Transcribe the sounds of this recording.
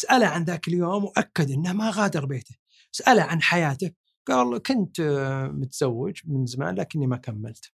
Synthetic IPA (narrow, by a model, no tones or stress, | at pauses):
sʔalaʕanðaːkɪljoːmwʔakːad̪ʔɪnːahmaɣaːd̪ɑɾˤbeːt̪a | saʔalaʕanħajaːt̪a | ɡ̥aːlkʊnt̪mʊt̪z̥awːɪd͡ʒmɪnzama̰ːnlaːkɪnːimakamːa̰lt̪